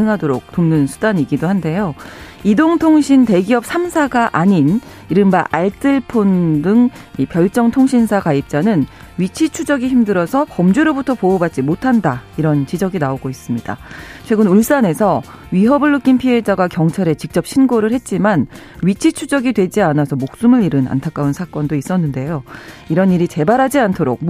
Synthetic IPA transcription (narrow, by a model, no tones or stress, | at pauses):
ɯŋɦadoɾok̚t͈omnɯnsʰudaɲiɡidohande̞joidoŋtʰoŋɕʰinte̞ɡiʌp̚s͈ʰamsʰaɡaʔaɲin | iɾɯnbaʔaɭt͈ʰɯɭpʰondɯŋ | ipjʌɭt͡ɕ͈ʌŋtʰoŋɕʰinsʰakaip̚t͡ɕ͈anɯn | ɥit͡ɕʰit͡ɕʰud͡ʑʌɡiçimdɯɾʌsʰʌpʌmd͡ʑeɾobutʰʌpoːbat̚t͡ɕ͈imotʰandaiɾʌnt͡ɕid͡ʑʌɡinaoɡois͈ɯmɲida̰t͡ɕʰwe̞ɡɯnuɭs͈ane̞sʰʌ | ɥiɦʌbɯɭːɯk͈inpʰie̞d͡ʑaɡakjʌŋt͡ɕʰaɾe̞t͡ɕik̚t͡ɕ͈ʌp̚ɕ͈ʰinɡoɾɯɭhe̞t̚t͡ɕ͈iman | ɥit͡ɕʰit͡ɕʰud͡ʑʌɡidwe̞d͡ʑianasʰʌmok̚s͈umɯɾiɾɯna̰ntʰak͈aunsʰak͈ʌndois͈ʌnːɯnde̞joiɾʌniɾit͡ɕe̞baɾɦad͡ʑiantʰoɾo̰k̚